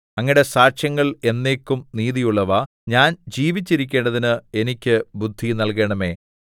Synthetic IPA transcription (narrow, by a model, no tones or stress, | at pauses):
ɐŋːiɽesaːʂjɐŋːɐɭe̞nːe̞ːkːumniːðijuɭːɐʋa | ɲaːnd͡ʑiːʋit͡ɕːiɾikʲːe̞ːɳɖɐðinɨe̞nikʲːɨbud̪ʱːinɐlke̞ːɳɐme̞ː